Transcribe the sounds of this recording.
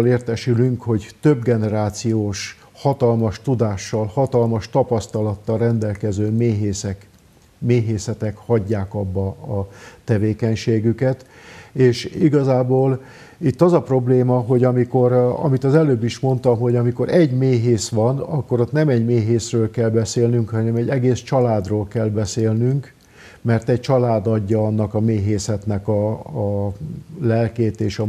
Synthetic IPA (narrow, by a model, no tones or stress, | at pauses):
leːrt̪ɛʃylyŋkho̞ɟt̪øbɡɛnɛɾaːt̪sijoːʃ | hɒt̪ɒlmɒʃt̪ud̪aːʃːɒlhɒt̪ɒlmɒʃt̪ɒpɒst̪ɒlɒt̪ːɒlrɛnd̪ɛlkɛzøːmeːɦeːsɛk | meːɦeːsɛt̪ɛkhɒɟːaːkɒbːɒːt̪ɛveːkɛɲʃeːɡykɛt̪eːʃiɡɒzaːboːl | it̪ːɒzɒpro̞bleːmɒɦo̞ɟɒmiko̞ɾɒ̰mit̪ɒzɛløːbːiʃmo̞nt̪ɒmɦo̞ɟɒmiko̞ɾɛɟmeːɦeːsʋɒnɒ̰kːo̞ɾot̪nɛmɛɟmeːɦeːsrøːlkɛlbɛseːlnyŋkhɒnɛmɛɟːɛɡeːst͡ʃɒlaːd̪roːlkɛlbɛseːlnyŋk | mɛrt̪ɛc̚t͡ʃɒlaːd̪ɒɟːɒɒnːɒkɒmeːɦeːsɛt̪nɛkɒː | lɛlkeːt̪eːʃɒ